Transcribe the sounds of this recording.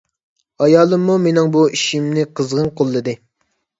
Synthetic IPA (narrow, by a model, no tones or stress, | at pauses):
ɑjɑːlˠɨmːumenɪŋbuiʃimnɪqʰəzʁənqʰolˠːɨd̪ɨ